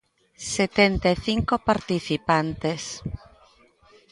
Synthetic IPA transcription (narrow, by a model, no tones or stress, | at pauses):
set̪ɛnt̪aeθiŋkopaɾt̪iθipant̪es